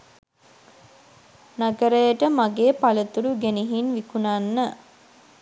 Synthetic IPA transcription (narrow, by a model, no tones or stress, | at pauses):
naɡəɾəjəʈəmaɡeːpalət̪uɾuɡeniɦinʋikunanːə